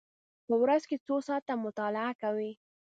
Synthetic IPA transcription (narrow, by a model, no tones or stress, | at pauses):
pəwɾazket͡sosɑt̪ːamʊt̪ɑlɪakawi